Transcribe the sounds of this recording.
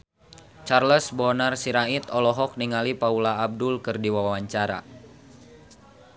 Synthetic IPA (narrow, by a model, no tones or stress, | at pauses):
t͡ʃarləsbɔnarsiɾait̪ɔlɔɦɔk̚niŋalipaulaːb̚dʊlkɨrdiwawawaɲt͡ʃaɾa̰